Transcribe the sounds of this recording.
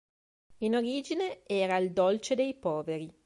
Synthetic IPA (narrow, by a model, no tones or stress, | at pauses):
inoɾiːd͡ʒineɛːɾaild̪olt͡ʃed̪ejpɔːveɾi